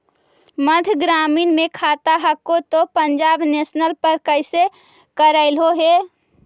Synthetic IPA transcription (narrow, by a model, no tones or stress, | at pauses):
mə̃d̪ʱɡɾaːmiːnmẽkʰaːt̪aɦəkːot̪opəɲd͡ʒaːbneːsnəlpəɾkəɪse | kəɾəɪlɦoɦeː